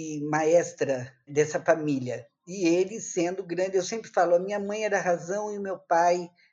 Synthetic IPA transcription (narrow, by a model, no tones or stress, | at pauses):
ɪmaɛst̪ɾɐd̪ɛsɐfamiljɐ | ɪelɪsẽnd̪ʊɡɾɐ̃nd͡ʒɪewsẽmpɾɪfalʊɐmĩɲɐmɐ̃j̃ɛɾɐɦazɐ̃w̃ɪʊmewpaj